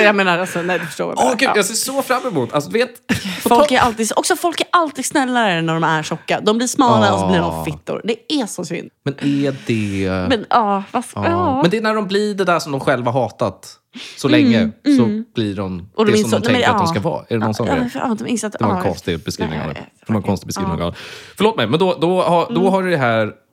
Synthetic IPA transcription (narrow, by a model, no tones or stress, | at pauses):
jameːnaɾalsɔnɛjd̪ɵfœ̥ʂʈoːɾja̰ɡʉjaːseːʂɔfɾamːɛmut̪ʰːalsɔd̪ɵveːt̪fɔɔlkːæɾʔalt̪iːɡsɔksɔfɔlkæɾʔalt̪iːɡsnɛlːaɾənæɖɔmæɾʂɔkːad̪ɔmblɪɾsmɑːlaɔsɔbliɖɔmfɪt̪ːʊ̰ɾd̪ɛæsɔsʏ̰nd̪mɛnɛdɛmɛnɑːvaɑmɛnd̪ɛnæɖɔmblɪɖɛd̪æʂɔmd̪ɔmɧɛlvahaɾɦɑːt̪at̪ | sɔlɛŋːəsɔb̥liɖɔmʔɔd̪ɔɪsɔmd̪mʰɛkɾad̪ɔmskavɑ̰ːɛɖɛnɔnsɔɛfɑːd̪ɔmɪsat̪d̪ɛaɾɛnkʰɔnst̪ɪbɛskɾḭːvnɪŋa̰ | d̪ɛvaɾɛnkɔnst̪ɪɡbɛskiːnɪ̰ŋɡa̰na̰fœɾɭoːt̪mɛjmɛnd̪ɔd̪ɔhad̪ɔɦaɖɵd̪ɛɦæːɾ